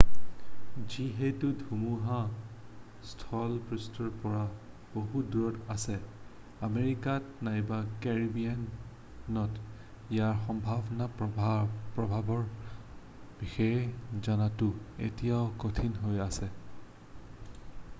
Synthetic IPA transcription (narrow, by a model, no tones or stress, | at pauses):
ziɦetʊdʱumuɦa | stʰɔlpɹustʰɔɹpɔɹa | b̥oɦuduɹɔtasɛ | ameɹikatnajbakɛɹibian | nɔt | ijaɹxɔmbʱabɔna | pɹɔbʱabɔɹ | b̥ixɛjzanatʊḛtijaʊkotʰinɦojasɛ